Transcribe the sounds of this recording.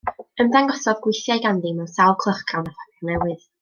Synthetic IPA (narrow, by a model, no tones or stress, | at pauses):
əmdaŋɡɔsɔðɡwɪθjajɡandimɛwsawlˠkʰlˠəχkawnaθadɔnɛwɨð